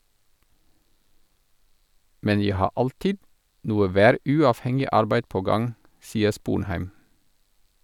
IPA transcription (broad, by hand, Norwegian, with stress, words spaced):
ˈmɛn ˈjæɪ ˈhɑː ˈʔɑltɪd ˈnuːə ˈʋæːˌɾʉːɑːfˌhɛŋɪ ˈɑɾbæɪd ˈpoː ˈɡɑŋ ˈsiːə ˈspuːnˌhæɪm